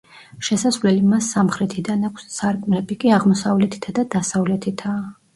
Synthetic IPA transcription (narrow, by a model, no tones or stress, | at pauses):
ʃɛsasvlɛlimasːamχɾɛt̪ʰid̪anakʰʷsːaɾkʼmɾɛbikʼiaʁmɔsavlɛt̪ʰi̥t̪ʰad̪ad̪asavlɛt̪ʰit̪ʰaː